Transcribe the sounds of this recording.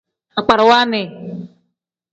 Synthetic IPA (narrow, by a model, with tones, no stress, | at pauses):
a˨k͡pa˨ɾwa˦ne˨